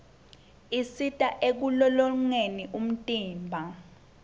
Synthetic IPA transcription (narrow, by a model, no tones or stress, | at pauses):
isitʼaʔek̬ulɔlɔŋeniʔum̩tʼiːmbʱa